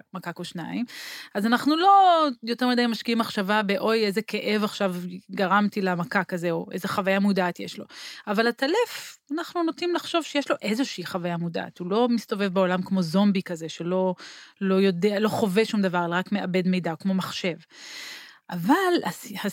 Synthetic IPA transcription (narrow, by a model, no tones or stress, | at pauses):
makakoʃna̰imazanaχnulo̞jo̞t̪emidajimaʃkiimːaχʃavabe̞ʔo̞je̞zeke̞ʔe̞vaχʃavɡaʁamt̪ilamakakaze̞oʔe̞zeχavajamudaːt̪jeʃlo̞̰avalat̪alefanaχnunot̪imlaχʃo̞v̥ʃejeʃlo̞ʔe̞zo̞ʃeiχavajamuda̰ʔːt̪ulo̞mist̪o̞ve̞vbeo̞lamkmo̞zo̞mbikaze̞ʃe̞lo̞lo̞jo̞dealo̞χo̞veʃumd̪avaʁlʁakme̞ʔabe̞dme̞jdaokmo̞maχʃe̞v | ʔavala̰ha